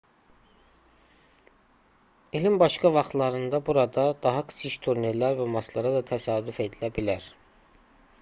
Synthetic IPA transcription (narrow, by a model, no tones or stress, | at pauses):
ilimbɑʃkɑvɑχt̪lˠɑɾɯnd̪ɑbuɾɑd̪ɑd̪̥ɑɦɑkʰɯ̥sʰiʃt̪ʰuɾniɾlæɾvæmɑslˠɑɾɑd̪ɑt̪ʰæsɑːd̪yfe̞d̪ilæbilæɾ̥